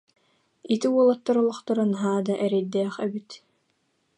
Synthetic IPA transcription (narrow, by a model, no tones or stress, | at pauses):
it̪iuɔlˠɔt̪ːaɾɔlˠɔχt̪ɔɾanɦaːd̪aʔɛɾɛjd̪ɛːχɛbit̪